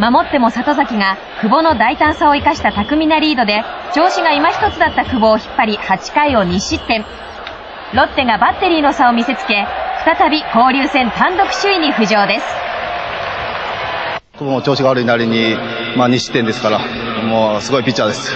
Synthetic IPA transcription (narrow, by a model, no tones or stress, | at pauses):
mamo̞t̪ːe̞mo̞sat̪o̞zakʲiŋa | kɯ̟bo̞no̞d̪ait̪ãɰ̃sao̞ikaɕi̥t̪at̪akɯ̟mʲinaɾʲiːd̪o̞d̪e̞ | t͡ɕo̞ːɕiɡaimaçi̥t̪o̞t͡sɨd̪at̪ːakɯ̟bo̞ːçi̥pːaɾʲihat͡ɕi̥kaio̞ɲ̟iɕit̪ːẽ̞ɴ | ɾo̞t̪ːeŋɡabat̪ːe̞ɾʲiːno̞sao̞mʲise̞t͡sɨ̥ke̞ɸɯ̟̥t̪at̪abʲiko̞ːɾʲɨːsẽ̞nt̪ãnd̪o̞kɯ̟̥ɕɨiɲ̟iɸɯ̟ʑo̞ːd̪e̞sɨ̥ | kɯbomot͡ɕo̞ːɕiɡaaɾɯ̟inaɾʲiɲi | maːɲ̟iɕi̥t̪ːend̪e̞sɨ̥kaɾa | moːsɨɡo̞ipʲit͡ɕːaːd̪e̞sɨ̥